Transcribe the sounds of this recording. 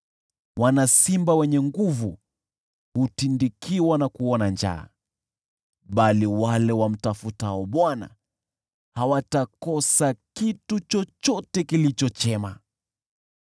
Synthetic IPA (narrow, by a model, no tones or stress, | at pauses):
wanasimbawɛɲɛŋɡuvu | hutindikiwanakuɔnand͡ʒa̰ː | ɓaliwalɛwam̩tafutaɔɓwana̰ | hawatakɔsakitut͡ʃɔt͡ʃɔtɛkilit͡ʃɔt͡ʃɛma